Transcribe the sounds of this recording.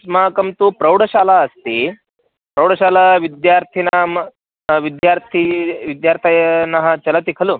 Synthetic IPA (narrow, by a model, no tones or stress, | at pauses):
smaːkɐmt̪upɾɐwɽəɕalaɐst̪e | pɾɐwɽəɕalaʋid̪jaɾt̪ʰinaɦ | ʋid̪jaɾt̪ʰiʋid̪jaɾt̪ʰijnaɦɐt͡ʃɐlat̪ikʰɐluː